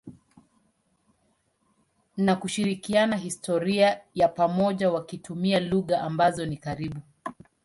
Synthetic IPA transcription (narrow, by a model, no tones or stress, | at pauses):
nakuʃiɾikianaɦistɔɾiajapamɔʄawakitumialuɣaʔambazɔnikaɾiɓu